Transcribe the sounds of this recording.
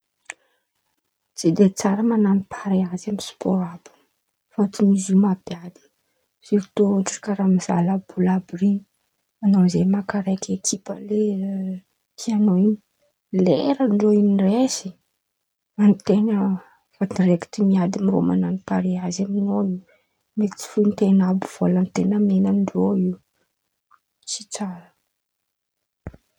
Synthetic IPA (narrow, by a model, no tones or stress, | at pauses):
d͡zed̪et͡saɾəmananipʰaɾeazamispʰoɾabu̥ | fat͡simizumabiad̪i̥ | siɾit̪oʈ͡ʂḁkaɾamiza̰labulabɾini | anozemakaɾajkʰekʰipə̰le | k̪ʰianoiɲi̥ | leɾəɳɖ͡ʐoiniresi̥ | ant̪enə | fad̪ireki̥t̪imiad̪imiro̰ma̰nanipaɾeazaminoiw | met͡si̥funt̪enabuv̥olant̪enəmenənɖ͡ʐoiw | t͡si̥t͡saɾə̥